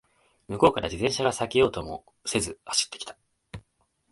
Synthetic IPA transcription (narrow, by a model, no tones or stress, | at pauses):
mɯ̟ko̞ːkaɾad͡ʑid̪ẽ̞ɰ̃ɕaɡasakʲejo̞ːt̪o̞mo̞̰ | se̞zɨhaɕi̥t̪ːe̞kʲi̥t̪ḁ